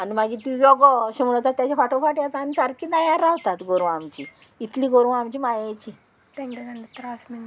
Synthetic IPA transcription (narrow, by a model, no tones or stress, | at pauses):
animaɡit̪ujɔɡɔɕeməɭət̪at̪ːjat͡ɕafaʈofaʈjat̪anisaɾkid̪ajaɾːaʋt̪at̪ɡoɾʋamt͡ɕi | it̪liɡoɾʋamt͡ɕimajajt͡ɕi | ʈẽŋɡeɡand̪it̪ɾasmin